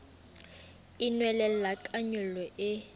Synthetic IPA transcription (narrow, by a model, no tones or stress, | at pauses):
inwɛlɛllakʼaɲʊlɔʔɪ